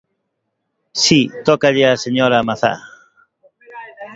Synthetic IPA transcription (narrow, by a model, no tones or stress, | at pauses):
sit̪okaʎeaseɲoɾamaθa̰